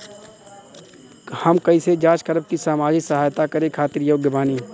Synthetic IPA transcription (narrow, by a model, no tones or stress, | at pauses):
həmkɐised͡ʒaːd͡ʒkəɾəb̚kisaːmaːd͡ʒɪksəɦaːjt̪akɐɾekʰaːt̪ɪɾjoːɡjəbaːniː